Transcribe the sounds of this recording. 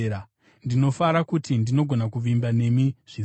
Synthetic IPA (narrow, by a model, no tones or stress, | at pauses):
a | ndino̞faɾakutindino̞ɡʱo̞nakuʋimbane̞miʐ̥i